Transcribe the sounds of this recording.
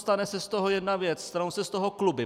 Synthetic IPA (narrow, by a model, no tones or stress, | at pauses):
st̪anɛsɛst̪oɦojɛdnavjɛt͡sst̪anowsɛst̪oɦoklubɪ